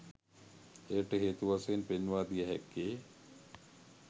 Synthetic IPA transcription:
eːʈəɦeːt̪uʋasenpenʋaːd̪ijəɦɛ̰kːeː

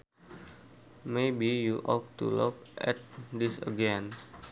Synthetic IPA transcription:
mebijuʔɔk̚tṵlukʔɛ̰t̪̚disəɡɛn

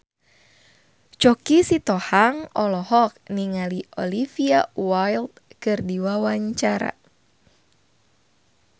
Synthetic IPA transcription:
t͡ʃɔkisit̪ɔhaŋɔlɔhɔk̚niŋaliʔɔ̰lifiawajlt̪̚kɨrdiwawaɲt͡ʃaɾa̰

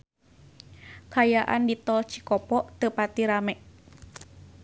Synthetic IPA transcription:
kajaʔa̰ndit̪ɔlt͡ʃi̥kɔpɔʔt̪əpat̪iɾamɛʔ

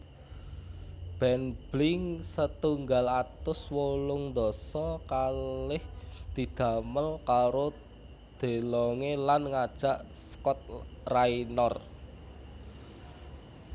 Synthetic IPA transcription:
b̥ɛnb̥lɪŋsət̪uŋɡalat̪ʊswolʊŋnd̪ɔsɔkalɪhd̪̥i̤d̪̥ä̤məlkaɾo | d̪̥e̤lɔŋelanŋad̥ʒ̥a̤ʔ | skɔt̪̚rainɔr

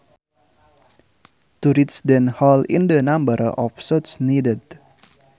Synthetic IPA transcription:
t̪uɾɪsd̪ənhalɪ̰̃nd̪ənãmbəɾɔ̰fsɔt̪snidəd̪

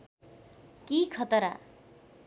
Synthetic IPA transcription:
kikʰʌt̪ʌɾa̰

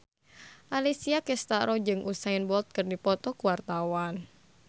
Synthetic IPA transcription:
ʔalisiakɛst̪aɾɔd͡ʒɨŋʔusaɪnbɔlt̪̚kərdipɔt̪ɔkuwart̪awan

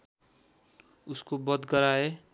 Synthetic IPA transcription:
uskobʌd̪ɡʌɾae

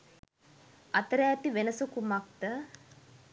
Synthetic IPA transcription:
ɐt̪ɐɾaːt̪iʋenɐsukumak̚t̪ɐ

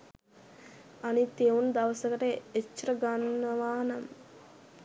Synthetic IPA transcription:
ɐnit̪ewund̪ɐʋɐsɐkɐʈəet͡ʃːɾɐɡɐnːɐʋaːnɐm

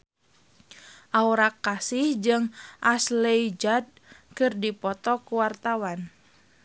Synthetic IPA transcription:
ʔauɾakːasɪhd͡ʒɨŋʔasleid͡ʒad̚kɨrdipɔt̪ɔkuwart̪awan

